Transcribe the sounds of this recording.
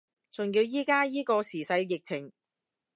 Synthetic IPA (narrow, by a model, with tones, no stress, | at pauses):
t͡sʊ˨˩ŋjiː˧wjiː˥kaː˥jiː˥kɔː˧siː˨˩sɐ˧jjɪ˨k̚t͡sʰɪ˨˩ŋ